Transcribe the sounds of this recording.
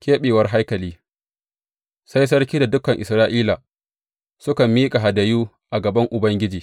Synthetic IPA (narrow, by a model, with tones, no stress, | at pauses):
kʲeː˦ɓeː˨wɐ˦rɦa˦jkɐ˨liː˦ | sa˦js̬ɐ˦rkʲiː˦da˨dʊ˦kɐ˨ŋʔɪ˨sɾaː˦ʔiː˦la˨ | sʊ˦kɐ˨mːiː˦kʼa˨ɦa˨dɐ˨juː˦ | ʔa˨ɡɐ˨bɐ˦ŋʔʊ˨bɐ˦ŋɡʲɪ˦d͡ʒiː˨